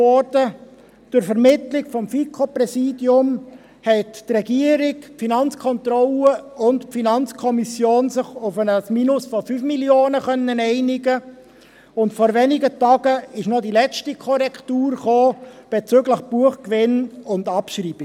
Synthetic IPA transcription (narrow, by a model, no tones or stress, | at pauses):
ɔɾdə | dʊɾfɛɾmɪtlɪɡfɔmfikʰoprɛsiːdjʊm | hɛttrɛɡiəɾɪkfinɑnt͡skʰɔnt̪ɾɔləʊntpfinɑnt͡skʰɔmisjoːnsɪχʊfənəsmiːnʊsfɔfyːfmiljoːnəχœnːənɛɪnɪɡə | ʊntfɔɾvɛnɪɡətɑːɡ̥əɪʃnɔdilɛt͡stikʰɔɾɛktuːrχoːb̥ɛt͡søɡləχb̥uəχkvɪnʊndɑpʃriːb̥ɪ